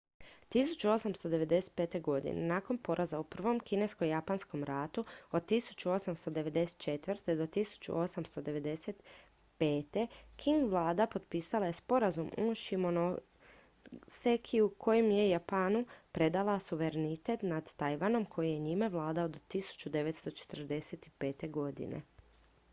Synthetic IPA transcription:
t̪isu̥t͡ɕuo̞samst̪o̞d̪e̞ʋe̞d̪e̞se̥t̪̚pe̞ːt̪e̞ɡo̞d̪ḭnḛnaːko̞npo̞ɾʔazaupr̩ʋo̞mkine̞skojapansko̞mɾat̪uod̪̚t̪isu̥t͡ɕuo̞samst̪o̞d̪e̞ʋe̞d̪e̞se̥t̪̚t͡ʃe̞t̪ʋrt̪ed̪o̞t̪isu̥t͡ɕṵo̞samst̪o̞d̪e̞ʋe̞d̪e̞set̪ | pe̞ːt̪e̞kʰiŋɡʋlˠaːd̪apo̞d̪piːsalaje̞spo̞ɾazumuʃimono | sekʰiukʰo̞jemje̞japaːnupɾe̞d̪alˠasuʋe̞ɾenit̪e̞t̪nad̪ːajʋano̞mkʰo̞jijeɲimaʋlˠaːd̪aod̪ot̪isu̥t͡ʃud̪e̞ʋet̪st̪o̞t͡ʃe̥t̪r̩d̪e̞set̪i̥peːt̪e̞ɡo̞d̪ḭnḛ

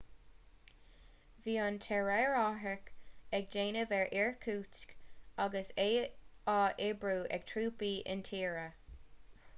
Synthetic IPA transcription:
viːɑntʰɛɹɛɹɑɦəkɛɡ̚d͡ʒeːnəvɛɹʔɪɹkʰuːskaɡəseːɑːʔebɹuːʔɛ̰ɡ̚tʰɹuːpiːʔɪ̰ntʰiːɹə

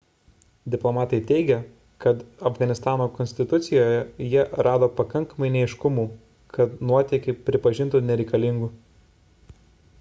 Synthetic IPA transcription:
d̪ʲɪplˠɔmɑːt̪ɐɪt̪ʲɛɪɡʲɛ | kɐt̪ɐfɡɐnʲɪst̪ɑːnoːkɔnsʲt̪ʲɪt̪ʊt̪sʲɪjoːjɛjɛɾɑːd̪oːpɐkɐŋkɐmɐɪnʲɛɪʃkʊmuː | kʰɐt̪nuɔt̪ʲɛkʲɛɪpʲɾʲɪpɐʒʲɪnt̪uːnʲɛɾʲɛɪkɐlʲɪŋɡuː

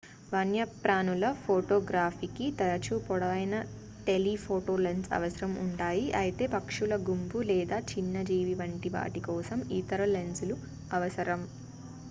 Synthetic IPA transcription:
ʋɐnjɐpɾaːnulɐpʰoːʈoːɡɾaːfikit̪ɐɾɐt͡ʃupɔɽɐʋɐjnɐ | ʈelipʰoːʈoːlensɐ̰ʋɐsɐɾɐmuɳʈaːjiʔɐjit̪e̞ːpɐkʂulɐɡumpulɛːd̪aːt͡ʃinːɐd͡ʒiːʋiʋɐɳʈiʋa̰ːʈikɔːsɐmit̪ɐɾɐlenslu | ɐʋɐsɐɾɐm

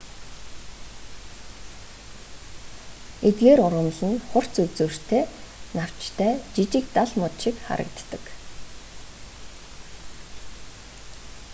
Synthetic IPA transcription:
et̪̚ɡeːɾʊɾə̆nɮɘ̆nχʊr̥t͡sut͡sŭːr̥t̪ʰeːnaw̥t͡ɕt̪ʰæːt͡ɕit͡ɕɪ̆kt̪aɮmʊt̪ʃĭkχa̰ɾə̰̆k̚t̪ːə̆k

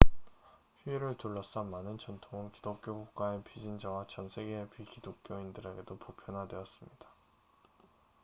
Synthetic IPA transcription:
ɸiiɾɯɭtoɭːʌs͈ʌmanɯnt͡ɕʌntʰoŋɯnkidok̚k͈joɡuk̚k͈aepid͡ʑind͡ʑawat͡ɕʌnsʰe̞ɡeːpɥikidok̚k͈joindɯɾe̞ɡe̞dopopʰjʌnɦadwe̞ʌs͈ɯmɲid̥a

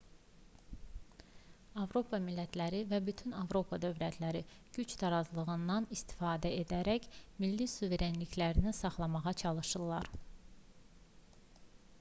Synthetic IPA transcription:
ɑvɾo̞pʰɑmilːæt̪ʰlæɾivæbyt̪ʰynɑvɾo̞pʰɑd̪ø̞vlæt̪ʰlæɾi | ɟ̥yt͡ʃt̪ʰɑɾɑzlˠɯɣɯnd̪ɑnist̪i̥fɑːd̪æe̞d̪æɾæçmilːisuve̞ɾe̞nliçlæɾinisɑχlˠɑmɑʁɑt͡ʃʰɑlˠɯʃɯlˠːɑɾ

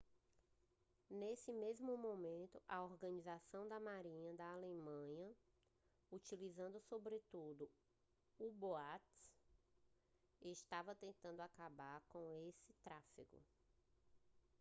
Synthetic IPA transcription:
nesɪmezmʊmõmẽnt̪ʊʔɐoɾɡɐ̃nizasɐ̃w̃d̪ɐmaɾĩɲɐd̪ɐalemɐ̃ɲɐ | ut͡ʃilizɐ̃nd̪ʊsobɾɪt̪ud̪ʊ | uboat̪ | ɪʃt̪avɐt̪ẽnt̪ɐ̃nd̪ʊakabaɾkõesɪt̪ɾafḭɡʊ̰

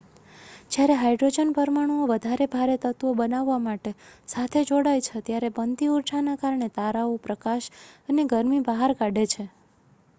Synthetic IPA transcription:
d͡ʒjaɾeɦajɖɾod͡ʒənpəɾmaɽ̃uoʋəd̪ʱaɾebʱaɾet̪ət̪ʋobənaʋːamaʈesat̪ʰed͡ʒoɽajt͡ʃʰet̪jaɾebənt̪iuɾʈʰanakaɾɳet̪aɾaopɾəkaʃəneɡəɾmibaɦaɾkaɖet͡ʃʰe

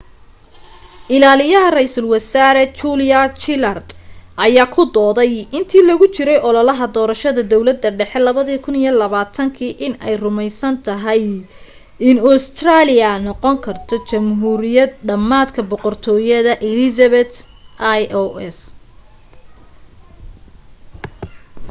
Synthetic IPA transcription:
ʔɪlaːlɪjɐɦɐrɛjsɐlwɐsaːɾɛt͡ʃuːljɐt͡ʃɪlɐrd̪ʔɐjaːkʰʊd̪ɔːðɛjɪnt̪ʰiːlɐɣʊt͡ʃɪɾɛjɔlɐlɐɦɐd̪ɔːɾɐʃɐðɐd̪ɔwlɐd̪ːɐɖɛħɛlɐβɐðiːkʰʊnijɔlɐβaːt̪ʰɐŋkʰiːʔɪnɛjrʊmɛjsɐnt̪ʰɐɦɐj | ɪnɔst̪ʰraːlɪjɐnɔqɔŋkʰɐrt̪ʰɔt͡ʃɐmɦuːɾɪjɐd̪ɖɐmːaːd̪kʰɐbɔqɔrt̪ʰɔːjɐðɐʔɛlɪsɐβɛt̪ʔajʔɔɛs

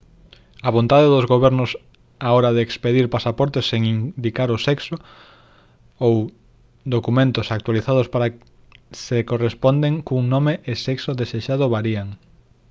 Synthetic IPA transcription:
aβõnt̪aðeðʊzɣoβɛɾnʊs | aɔɾaðeːkspeðiɾpasapɔɾt̪esːeŋind̪ikaɾʊsɛkso | ow | d̪okumẽnt̪osak̚t̪waliθað̞ʊspaɾa | sekorespɔnd̪eŋkuŋnomeʔːsɛksoðeseʃaðʊβaɾiaŋ

